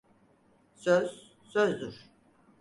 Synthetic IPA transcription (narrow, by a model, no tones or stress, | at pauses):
søz̥ː | øzd̪uɾ̥